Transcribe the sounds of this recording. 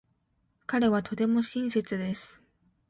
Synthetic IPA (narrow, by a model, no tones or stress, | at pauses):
kaɾe̞β̞at̪o̞t̪e̞mo̞ɕĩɰ̃se̞t͡sɨd̪e̞sɨ̥